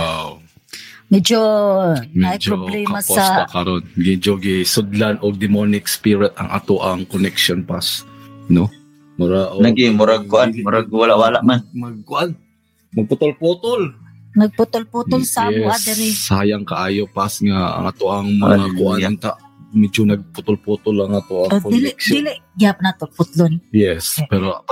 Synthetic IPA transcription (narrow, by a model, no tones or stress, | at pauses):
aw | mɛd͡ʒo | mɛad͡ʒɾoblɛkmɐasosat̪akɐɾonɡɪd͡ʒoɡɪsʊd̪lanʔoɡ̚d̪ɪmonɪkspɪɾɛt̪ɐ̰ŋʔa̰t̪oʔaŋkonɛkʃonpasno | mʊɾaʔonaɡɪmʊɾaɡkʊʔanʊɾaɡwalaʔwalaʔmanmɐɡ̚kʊʔan | mɐɡ̚pʊt̪ʊlpuːt̪ʊl | nɐɡ̚pʊt̪ʊlput̪ʊlsaɛad̪ɛɾɪːajaŋkɐʔaːjopasŋa̰ːŋa̰t̪oʔɐŋmɐŋakʊʔat̪aʔ | mɛd͡ʒonɐɡ̚pʊt̪ʊlpuːt̪ʊlɐŋʔat̪oʔɐkolɪkd̪ɪlɪʔɡapnat̪opʊt̪lonjɛspɛɾo